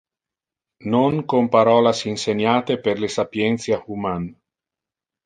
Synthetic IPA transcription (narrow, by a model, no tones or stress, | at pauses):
noŋkompaɾɔːlasinseɲaːt̪eperlesapjɛnt̪sjahuman